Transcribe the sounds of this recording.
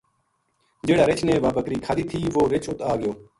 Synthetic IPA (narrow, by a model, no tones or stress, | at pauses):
d͡ʒeːɽaːɾɪt͡ʃnẽːʋaːbəkɾiːkʰaːd̪iːt̪ʰiːʋoːɾɪt͡ʃʰʊt̪aːɡɪjoː